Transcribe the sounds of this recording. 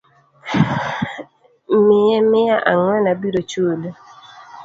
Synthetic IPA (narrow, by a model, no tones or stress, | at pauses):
mɪjɛmɪjaʔa̰ŋwɛnabiɾot͡ʃolo